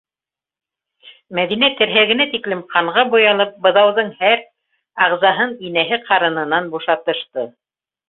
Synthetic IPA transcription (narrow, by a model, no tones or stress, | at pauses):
mæðinæt̪ɘ̆ɾɦæɡɘ̆næt̪iklɘmqʰɑɴʁɑbujɑlˠɤp̚bɤ̆ðɑwðɤɴhæɾ | ɑʁzɑɦɤninæɦɘqʰɑɾɤ̆nɤ̆nɑnbuʃɑt̪ɤ̆ʃt̪ɤ